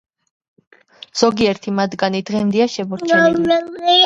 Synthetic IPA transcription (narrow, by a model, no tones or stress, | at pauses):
z̥ɔɡiɛɾt̪ʰimad̪ɡanid̪ʁɛmd̪iaʃɛbɔɾt͡ʃʰɛ